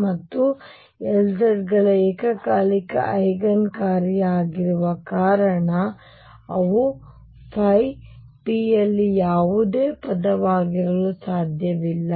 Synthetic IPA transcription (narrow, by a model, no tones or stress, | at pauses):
mɐt̪ːu | ɛld̪ɐɾɡɐɭɐeːkɐkaːlikɐ̰ʔɐjɡɐnkaːɾijaːɡiɾuʋɐkaːɾɐɳɐ | ɐʋu | pʰɐj | piɐlːijaːʋud̪eːpɐd̪ɐʋaːɡiɾɐlusaːd̪ʱjɐʋilːɐ